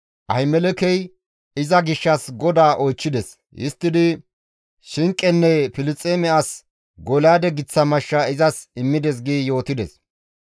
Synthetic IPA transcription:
ʔɐ̰ɪmɛlɛkɛj | ɪzɐɡɪʃːɐsɡɔd̪aːʔɔjt͡ʃːɪd̪ɛs | jʔɪ̰st̪ːɪd̪ɪ | ʃɪŋkʼːɛnːɛfɪlɪt͡sʼːeːmɛɐs | ɡɔlaːd̪ɛɡɪt͡sːɐmɐʃːɐɪzɐsɪmːɪd̪ɛs̬ɡiːjo̞ːt̪ɪd̪ɛ̰s

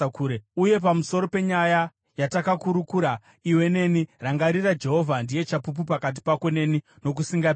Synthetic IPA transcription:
kuɾeuje̞pamuso̞ɾo̞pe̞ɲaja | jatakakuɾukuːɾa | iwe̞ne̞niraŋɡaɾirad͡ʒe̞ɦo̞vʱandije̞t͡ʃapup̬upakat̬i̥pako̞ne̞ni | no̞k̬usiŋɡa

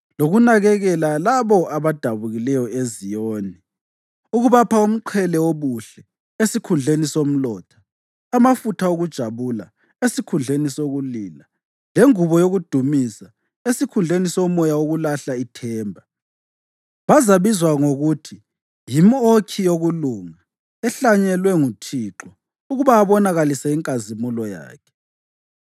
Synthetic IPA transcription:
loɣunaɣɛɣɛlalaβɔʔaβad̥ʱaβuɣilɛjɔezijoːni | uɣuβapʰaum̩ǃʰɛlɛoβuɬɛ | esikʰund͡ɮʱenisom̩lɔːtʰḁː | mafutʰaoɣud̥ʒ̥ʱaβula̰ | esikʰund͡ɮʱenisoɣuliːla | leŋuβɔjoɣud̥ʱumisa | esikʰund͡ɮʱenisɔmɔjaoɣulaɬaitʰɛːmbʱa | βazaβizwaŋoɣutʰi | jimokʰijoɣuluŋa | ɛɬaɲɛlwɛŋutʰiːǁɔ | uɣuβaːβɔnaɣalisaiŋkʼazimulɔja̰ːkʰɛ̥

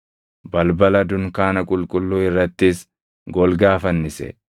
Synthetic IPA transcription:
bɐlbɐlɐd̪ʊŋkaːnɐkʼʊlkʼʊlːuːɪrːɐt̪ːɪs | ɡɔlɡaːfɐnːɪsɛ̰

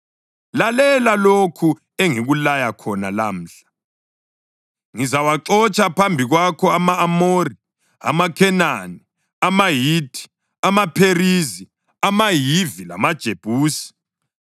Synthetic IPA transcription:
lalɛlalokʰu | eŋiɣulajakʰɔnalam̩ɬḁ | ŋizawaǁɔt͡ʃʼapʰambʱiɣwakʰɔamaːmoːri | a̰makʰɛnani | amajiːtʰʼi̥ | amapʰerizi | amajivila̰mad̥ʒ̥ʱeb̥ʱuːsi̥

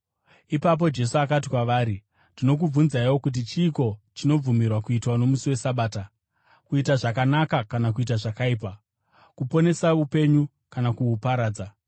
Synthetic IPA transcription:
ipap̬o̞d͡ʒe̞suakat̬ikwaʋaːɾi | dino̞k̬ub͡vunzaiwo̞kut̬it͡ʃiːko̞t͡ʃino̞b͡vumirwakuitwano̞musiwe̞saɓaːta | kuitaʐakanakakanak̬uit̬aʐakaiːp̬a | kupo̞ne̞saupe̞ɲu | kanakuupaɾaːd͡za

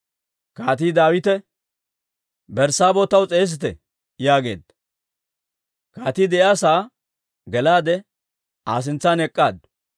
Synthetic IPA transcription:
kaːt̪iːd̪aːwɪt̪ɛ | bɛɾsaːbot̪ɐwt͡sʼeːs̬ɪt̪ɛ | jaːɡe̞̰ːd̪ | kaːt̪iːd̪ɛʔjaːsaː | ɡɛlaːd̪ɛ | aːs̬ɪnt͡sːaːnɛkʼːaːd̪

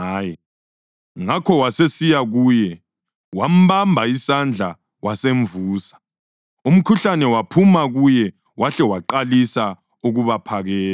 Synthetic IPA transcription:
aːjɛ | ŋakʰɔwasesijaɣuːjɛ | wam̩bambʱaisand͡ɮʱa | waseɱvuːsḁ | um̩kʰuɬanɛwapʰumaɣujɛ | waɬɛwaǃalisa | uɣuβapʰaɣɛːl

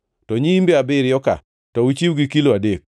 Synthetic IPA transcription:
tɔɲiimbeabɪɾɪjɔka̰ | tɔwut͡ʃiwɡikiloadek̚

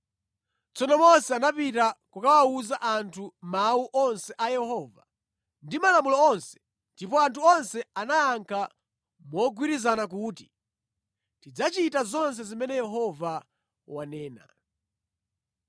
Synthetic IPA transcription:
t͡sɔnɔmɔnsɛanapitakukawauzaʔantʰumauʔɔnsɛʔajɛhɔva̰ | ndimalamulɔɔnsɛ̥ | ndipɔantʰuɔnsɛanajaŋkʰa | mɔɡwiɾizanak̬uːti | tid͡zat͡ʃitazɔns̬ɛzimɛnɛjɛɦɔva | wanɛːna̰

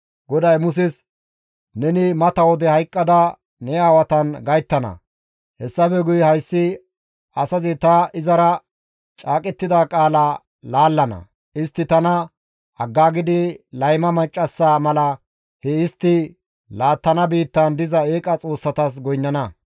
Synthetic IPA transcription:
ɡɔd̪ɐjmʊs̬ɪs | nɛnɪmɐt̪ɐwɔd̪ɛhɐjkʼːɐd̪ɐ | nɛaːwɐt̪ɐnɡɐjt̪ːɐnɐ̰ | hɛsːɐfɛɡʊjhɐjsːɪ | ɐsɐzɪt̪ɐɪzɐɾɐ | t͡ʃʼaːkʼɛt̪ːɪd̪aːkʼaːla | laːlːɐnɐ̰ | ɪst̪ːɪt̪ɐnɐ | ɐɡːaːɡɪd̪ɪlɐjmɐmɐt͡ʃʼːɐsːaːmɐlɐ | hɛɪst̪ːɪ | laːt̪ːɐnɐbiːt̪ːɐnd̪ɪzɐeːkʼɐt͡sʼo̞ːsːɐt̪ɐs̬ɡɔjnːɐnɐ

